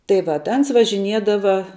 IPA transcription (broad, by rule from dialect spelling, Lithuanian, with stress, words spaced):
tɐɪ ˈʋɐt ˈɐns ʋɐʒʲɪˈnʲiɛdɐʋɐ